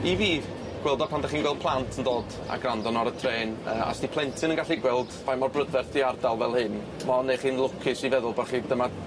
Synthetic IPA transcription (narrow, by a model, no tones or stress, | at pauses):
iviː | ɡ̥wɛlˠdɔpʰandaχiːnwɛlˠd̥pʰlˠantʰəndoːd | a̰ɡrandɔnɔɾətʰreːnəa̰sdipʰlˠɛntʰɨnənɡaɬiɡwɛlˠdvajmɔrbrədvɛrθdiardalˠvɛlˠhɨn | mɔnːejχiːnlˠʊkʰɪsivɛðʊlˠbarχiːdəma